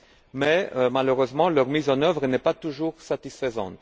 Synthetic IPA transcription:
mɛmaløʁøzmɑ̃lœʁmizɑ̃nœvʁənɛpat̪uʒuʁsat̪isfəzɑ̰̃t̪

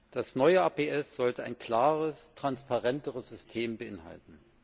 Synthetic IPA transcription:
d̥asnɔʏəaːpeːʔɛsz̥ɔltəa̰ɪnkl̥aːʁəstʁ̥anspaʁɛntəʁəsz̥ʏstʰeːmbəʔɪnha̰ltn̩

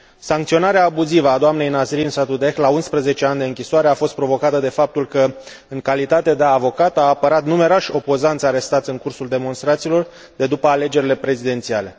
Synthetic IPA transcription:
saŋkt̪sio̞naɾeaːbuzivəad̪oamne̞jnazɾinsat̪ud̪e̞xlaunspɾəze̞t͡ʃe̞and̪eɨŋkʲisoaɾe̞afo̞st̪̚pɾo̞vo̞kat̪əd̪e̞fap̚t̪ulkə | ɨŋkalit̪at̪e̞d̪eavo̞kat̪aːpəɾat̪nume̞ɾoʃʲo̞po̞zant̪sʲaɾe̞st̪at̪sʲɨŋkursuld̪e̞mo̞nst̪ɾat̪siːlo̞r | d̪e̞d̪upəale̞d͡ʒe̞ɾile̞pɾe̞zid̪e̞nt̪siale̞

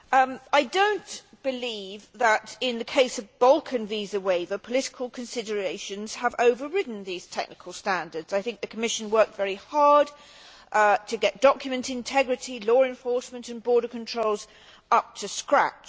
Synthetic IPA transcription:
aɪdõʊ̃n | b̥ɨlivðəɾɪ̃nðɨkʰeɪsʌvbʌlˠkʰɨ̃nvizəweɪvəpʰəlɪɾɪ̥kʰəlˠkʰɨ̃nsɪdə˞eɪʃɨ̃nz̥əvoʊvəɹɪʔn̩ðiz̥tʰɛ̰k̚nɨkʰəl̩ˠstæ̃ndədz̥aɪθɪ̃ŋk̚ðɨkʰəmɪʃɨ̃nwɜ˞k̚tvɛɹihɑɹd̚ | ʔtʰɨɡɛt̚d̥ɑkjɨmɨ̃ntɨ̃ntʰɛɡɹɨɾilɔːɨ̃ɱfɔɹsmə̃ntɨ̃nbɔɹɾəkʰə̃ntʰɹ̥oʊlˠz | ʌp̚tʰɨskɹæ̰t͡ʃ

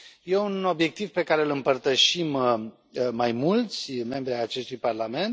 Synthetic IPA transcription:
je̞uno̞bje̞k̚t̪ivpe̞kaɾeɨlɨmpərt̪əʃim | majmult̪sʲme̞mbɾiajat͡ʃe̞st̪ujparlame̞nt̪

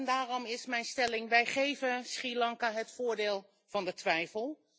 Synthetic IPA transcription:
ndaːrɔmɪsmɛjnstɛlɪŋʋɛjχejvənsχilɑŋkaɦətfʊːɹdɪːlˠ | v̥ɑndətʋɛjfəlˠ

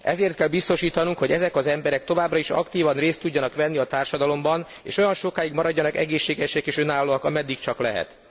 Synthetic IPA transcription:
ɛzeːrt̪kɛlbist̪o̞ʃiːt̪ɒnuŋkho̞ɟɛzɛkɒzɛmbɛɾɛk̚t̪o̞vaːbrɒiʃɒ̰kt̪iːvɒnreːst̪ːuɟːɒnɒkʋɛnːiɒt̪aːrʃɒd̪ɒlo̞mbɒn | ḛːʃo̞jɒnʃo̞kaːjiɡmɒɾɒɟːɒnɒkɛ̰ɡeːʃːeːɡɛʃɛkeːʃønaːlːoːɒkɒmɛd̪ːikt͡ʃɒklɛɦɛ̰t̪

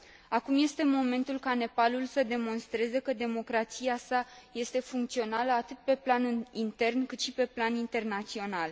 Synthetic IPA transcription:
akumje̞st̪e̞mo̞me̞nt̪ulkane̞palulsəd̪e̞mo̞nst̪ɾe̞zekəd̪e̞mo̞kɾat̪siasaje̞st̪e̞fuŋkt̪sio̞naləat̪ɨt̪̚pe̞planint̪e̞rnkɨt̪ʃipe̞planint̪e̞rnat̪sio̞nal

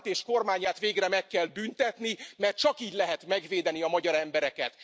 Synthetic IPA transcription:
t̪eːʃko̞rmaːɲaːt̪ʋeːɡrɛmɛkːɛlbynt̪ɛt̪nimɛrt̪̚t͡ʃɒkiːɟlɛɦɛt̪mɛɡveːd̪ɛniɒmɒɟɒɾɛmbɛɾɛkɛt̪

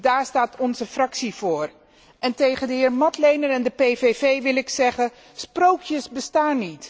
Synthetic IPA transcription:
daːɹstaːtɔnzəfrɑksivʊːɹ | ʔɛntejχəndəɦɪːɹmɑtlejnəɾɛndəpejvevejʋɪlɪksɛχə | sprowkʰjəsbəstaːnit

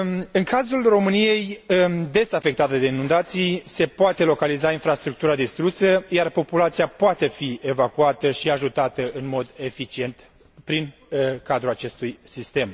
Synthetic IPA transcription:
ɨŋkazulro̞mɨnije̞jd̪e̞safe̞k̚t̪at̪ed̪e̞inund̪at̪sijse̞poat̪e̞lo̞kalizainfɾast̪ɾuk̚t̪uɾad̪ist̪ɾusəjarpo̞pulat̪sijapoat̪e̞fie̞vakuat̪əʃiaʒut̪at̪əɨnmo̞d̪e̞fit͡ʃie̞nt̪ | pɾin | kad̪ɾulat͡ʃe̞st̪ujsist̪e̞m

